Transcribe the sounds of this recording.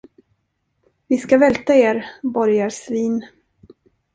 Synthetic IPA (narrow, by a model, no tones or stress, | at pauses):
vɪskavɛlt̪aeːɾbɔɾjasviːn